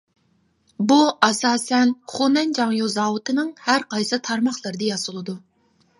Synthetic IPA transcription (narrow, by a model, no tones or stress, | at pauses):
buʔɑsɑːsɛnχunɛnd͡ʒɑŋjozɑːwut̪ʰɨnɨŋhæɾqʰɑjsɨt̪ʰɑɾmɑχlˠɨɾɨd̪ɨjɑsʊlˠɨd̪u